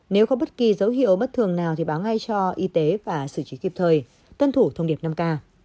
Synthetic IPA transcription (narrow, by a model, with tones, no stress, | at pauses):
ne˨˦wxɔ˨˧˦ɓə˦˥t̚ki˨˩zə˨˦wɦḭ˧˨əwɓə˦˥t̚t̪ʰɨ˨˩əŋnaː˨˩wt̪ʰi˨˩ɓaː˨˦wŋa˧jt͡ɕɔ˧ʔi˧t̪e˨˦vaː˨˩sɨ˧˩t͡ɕi˨˦ki˨˩p̚t̪ʰəː˨˩j | t̪wə˧nt̪ʰu˧˩t̪ʰə˧wŋ͡mɗi˨˩əp̚na˧mkaː˧